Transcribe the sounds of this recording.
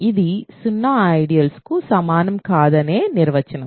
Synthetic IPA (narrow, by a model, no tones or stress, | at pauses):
id̪isunːaɐjɽijɐlskusɐmaːnɐmkaːðɐneːniɾʋɐt͡ʃːɐnɐm